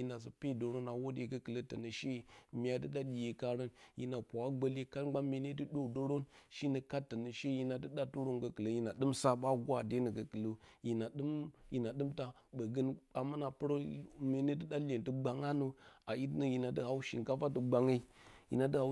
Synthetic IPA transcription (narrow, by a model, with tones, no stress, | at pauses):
i˨na˨s̬ə˨pe˦˨do˨ɾo˦na˨wo˦de˨kə˦kə˨lə˦tə˨nə˨ʃe˦˨mi˦a˨tɨ˦ɗa˦ɗi˨je˨ka˦ɾo˦nji˨na˨pʷa˨a˦ɡ͡bə˦le˦ka˦ɡ͡ba˦me˨ne˦tɨ˦ɗo˦do˦ɾo˦nʃi˦nə˨ka˦tːə˨nə˨ʃe˦ji˦na˨tɨ˦ɗa˦tu˦ɾo˦ŋɡə˨kɨ˨lə˨ji˨na˨ɗɨ˦msa˦ɓa˦ɡʷa˦˨de˦nə˨ɡə˨kɨ˨lə˨ji˨na˨ɗɨ˦mji˨na˨ɗɨ˦mta˦ | ɓə˨ɡə˦na˨ma˦na˨pɨ˦ɾo˦me˨ne˦tə˦da˦lʲe˨ntə˦ɡ͡ba˨ŋa˦nu˨a˨ji˦tnə˨ji˨na˨də˦ha˨u˦ʃḭ˨ŋka˦fa˦tə˨ɡ͡ba˨ŋə˦i˦jḭ˨na˨tə˦ha˨˦